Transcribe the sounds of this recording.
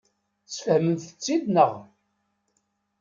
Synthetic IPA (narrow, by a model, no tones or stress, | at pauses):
t͡sːfəhmənθə̥t͡sːid̪nəʁ